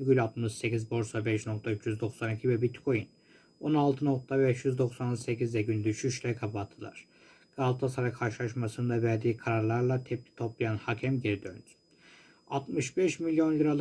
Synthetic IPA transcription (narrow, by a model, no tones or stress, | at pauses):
ɡylʲat̪mɯʃse̞cʲizbo̞ɾsabɛʃno̞k̚t̪ʰayt͡ʃʰjyzd̪o̞ksanicʰivɛbit̪kʰo̞jin | o̞nalˠt̪ʰɯno̞k̚t̪ʰabɛʃjyzd̪o̞ksanse̞cizd̪ɛɟynd̪yʃyʃlʲɛkʰapat̪ʰːɯlˠa̰ɾ̥ | ɡ̥alˠt̪ʰasaɾakʰaɾʃɯlˠaʃmasɯnd̪avæɾd̪iːkʰaɾaɾlˠaɾlˠat̪ʰɛp̚t̪ʲʰi̥t̪ʰo̞plˠajanhacʰɛmɟeɾid̪ønt̪ | at̪mɯʃbɛʃmilʲjo̞nlɯɾalˠ